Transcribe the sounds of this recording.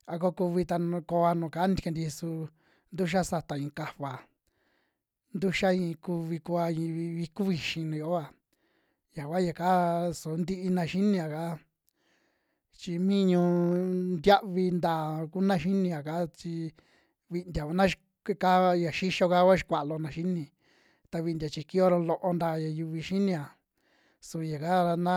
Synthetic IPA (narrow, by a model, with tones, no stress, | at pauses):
a˧ko˦ku˧βi˧t̪a˧ñ˧ko˧a˧nũ˨ka˨˦ni˦d̪ka˧nd̪i˧su˧ | nd̪u˦ʃ̬a˦sa˧t̪a˨ĩ˧ka˧βa˨ | nd̪u˦ʃa˦ĩ˧ku˧βi˧ku˧a˧ĩ˧βi˧ku˦βi˧ʃĩ˧nũ˨˧o˧o˨˦a˨ | ja˨kʷa˦ja˨ka˦su˨˦nd̪i˦ʔi˧nã˧ʃi˦nĩ˧a˨ka˦ | t͡ʃi˧mĩ˦ɲũ˧nd̪ʲja˦ʔβi˧nd̪aː˨ku˦nã˦ʃi˦nĩ˧a˨ka˦t͡ʃi˧ | βi˧nd̪ja˨ka˧˦nã˦ʃ | kka˦˧ja˨ʃi˦ʃo˧ka˦kʷa˦ʃi̥˧kʷa˨ʔlo˧nã˧ʃi˦nĩ˧ | t̪a˧βi˧nd̪ʲa˨t͡ʃi˧ki˦o˦ɾo˧lo˧ʔo˧nd̪a˧˨ja˨ju˧βi˧ʃi˦nĩ˧a˨ | su˧˨˧ja˨ka˦ɾa˧nã˦